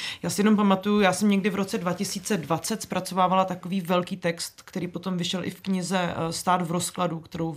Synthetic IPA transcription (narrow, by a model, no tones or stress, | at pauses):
jaːsɪjɛno̞mp̬amat̪ujujaːsɛmɲɛɡdɪvɾo̞t͡sɛdvacɪsiːt͡sɛdvat͡sɛt̪spɾʔat͡so̞vaːvalat̪ako̞viːvɛlkiːt̪ɛkst̪kt̪ɛɾiːpo̞t̪o̞mvɪʃɛlʔɪ̰fkɲɪzɛst̪aːd̪vɾo̞skladukt̪ɛɾow